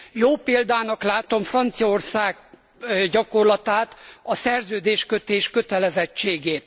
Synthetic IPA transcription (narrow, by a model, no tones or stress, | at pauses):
joːpeːld̪aːnɒklaːt̪o̞mfrɒnt̪sijɒorsaːɡ | ɟɒko̞rlɒt̪aːt̪ɒsɛrzøːd̪eːʃkøt̪eːʃkøt̪ɛlɛzɛt͡ʃːeːɡeːt̪